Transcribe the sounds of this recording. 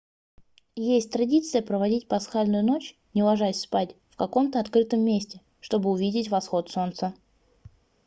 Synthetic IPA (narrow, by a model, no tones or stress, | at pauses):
jesʲtʲt̪ɾɐdʲit̪sɨjəpɾəvɐdʲitʲpɐsxalʲnʊjʊno̞t͡ɕ | nʲɪlˠɐʐaspatʲfkɐko̞mt̪əɐt̪kɾɨt̪əmːʲesʲtʲɪ | ʂt̪o̞bɨʊvʲidʲɪtʲvɐsxo̞t̪so̞nt̪sə